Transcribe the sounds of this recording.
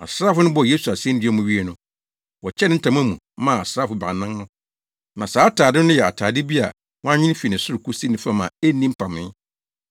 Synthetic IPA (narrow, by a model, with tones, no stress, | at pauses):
a̰˨sɾaː˦fʊ˦nʊ̃˦bɔ˨je˦su˨a˨sɛ̃˦n˦dɪ˦ɛ˦mʊ̃˨ɥi˦e˨nʊ̃˨ | wɔ˨t͡ɕʰɛ˦nɪ̃˦n̩˦tʰã˨m̃˦æ˦mṵ̃˨ | mã˦˨a˨sɾaː˦fʊ˨bɾa̰˨nã˦ŋnʊ̃˦ | nã˨saː˨˦tʰaː˨dɪ˦nʊ̃˦jɛ˨a̰˨tʰaː˨dɪ˦bi˦a̰˨ | wɔ̃˦a˦ɲɪ̃˦n˦fi˨nɪ̃˨sʊ˦ɾʊ˨kʰu˦si˦nɪ̃˨fa˦mã̰˨e˦nĩ˦m̩˦pʰã˨mɪ̃˦